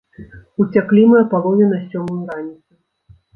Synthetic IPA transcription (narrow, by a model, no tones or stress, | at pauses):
ut͡sʲaklʲimɨjɐpalˠɔwnʲɛnɐsʲɔmɨjuɾanʲit̪sɨ